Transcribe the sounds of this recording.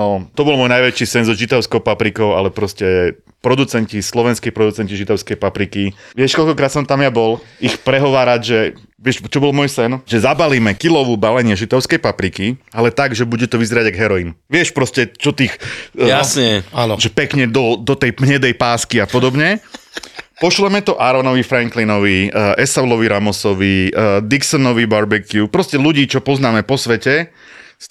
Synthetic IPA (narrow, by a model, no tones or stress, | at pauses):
nɔt̪ɔbɔlˠmwɔːjnajʋɛt͡ʃiːsɛnzɔʒit̪aʊskɔʊpapɾikɔʊa̰lɛpɾɔscɛ | pɾɔd̪ut͡sɛɲcislɔʋɛnskɛjpɾɔd̪ut͡sɛɲciʒit̪ɔʊskɛjpapɾikiʋɪɛʃkɔlkɔkɾaːt̪sɔmt̪amjabɔlixpɾɛɦɔʋaːɾaɟʒɛ | ʋɪɛʃt͡ʃɔbɔlmʊɔjsɛnʒɛzabaliːmɛkilɔʋuːbalɛɲɪɛʒit̪aʊskɛjpapɾikialɛt̪aɡʒɛbuɟɛt̪ɔʋizɛɾaɟaɡɦɛɾɔinʋɪɛʃpɾɔscɛt͡ʃɔt̪iːxasɲɛanʒɛpɛkɲɛd̪ɔd̪ɔt̪ɛjmɲɛd̪ɛjpaːskiapɔd̪ɔbɲɛ | pɔʃlɛmɛt̪ɔʔaɾɔnɔʋifɾɛŋklinɔʋiʔɛsaulɔʋiɾamɔsɔʋid̪iksɔnɔʋibaɾbɛkiupɾɔscɛluɟiːt͡ʃɔpɔznaːmɛpɔsʋɛcɛ